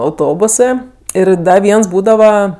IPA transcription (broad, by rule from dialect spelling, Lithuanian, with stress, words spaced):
ɐʊˈtoːbʊsɜ ˈɪr ˈdɐ ˈʋʲiɛns ˈbuːdɐʋɐ